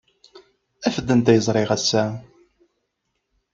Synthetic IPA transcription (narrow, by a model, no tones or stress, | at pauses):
æfəd̪ːənt̪æjəzˤɾˤɪʁæsːæ